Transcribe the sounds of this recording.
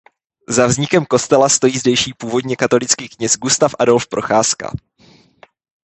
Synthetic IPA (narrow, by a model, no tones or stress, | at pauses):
zavzɲɪkɛmko̞st̪ɛlast̪o̞jiːzdɛjʃiːpuːvo̞dɲɛkat̪o̞lɪt͡skiːkɲɛsɡust̪afʔado̞lfpɾo̞̰xaːska̰